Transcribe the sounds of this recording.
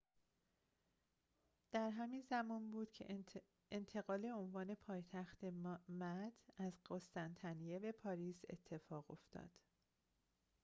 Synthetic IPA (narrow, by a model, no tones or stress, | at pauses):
d̪̥æɾɦæmiːnzæmɒːnbuːd̪̥cʰḛ | ent̪ʰe̞ɣɒːle̞onvɒːne̞pʰɒːjt̪ʰæxt̪e̞mæd̪̥æzɢost̪ænt̪ʰænijebe̞pʰɒːɾiːse̞̰t̪ʰːe̞fɒːɣo̞̰ft̪ʰɒ̰ːd̪̥